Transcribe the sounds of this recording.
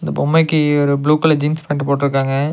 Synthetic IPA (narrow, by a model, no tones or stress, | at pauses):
ɪnd̪ɐpɔmːɐɪkːɯɔɾɯbɭuːkɐlɐd͡ʒiːnspɐːɳʈɯpoːʈːɪɾɯk̬ːaːŋɡɐ